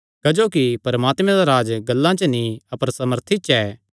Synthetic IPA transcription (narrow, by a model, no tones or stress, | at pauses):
kɐd͡ʒoːkipɐɾɐmaːt̪mɛ̃d̪aɾaːd͡ʒɡɐlːãt͡ʃənĩɐpəɾsɐməɾt̪ʰit͡ʃɛː